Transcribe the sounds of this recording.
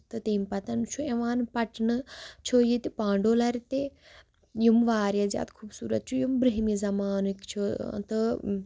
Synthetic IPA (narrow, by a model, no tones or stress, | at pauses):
t̪ɨt̪eːmpɐt̪ɐnt͡ʃʰueʋaːnpɐʈnɨt͡ʃʰojit̪ipãːɳɖoːlɐɾt̪e | jumʋaːɾjazʲja̰ːt̪kʰuːbsuːɾɐ̰t̪̚t͡ʃʰujumbɾiɦmizɐmaːnɨkt͡ʃʰo̰t̪ɨ